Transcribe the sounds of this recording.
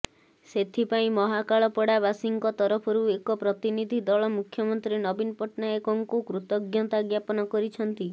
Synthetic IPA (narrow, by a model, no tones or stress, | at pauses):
set̪ʰipaĩmɔɦakaɭɔpɔɽaβasiŋkɔt̪ɔɾɔpʰɔɾuekɔpɾɔt̪inid̪ʱid̪ɔɭɔmukʰjɔmɔnt̪ɾinɔbinɔpɔʈnaekɔŋkukɾut̪ɔɡjɔt̪aɡjapɔnɔkɔɾit͡ʃʰɔnt̪i